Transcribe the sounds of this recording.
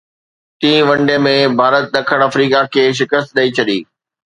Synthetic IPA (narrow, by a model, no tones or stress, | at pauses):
t̪ĩːʋɐ̃ɳɖemẽbʱaːɾət̪̚ɗ̪ɐkʰəɽ̃ɐfɾiːkakʰeːʃ̬ɪkəst̪̚ɗɐit͡ɕʰɐɗḭː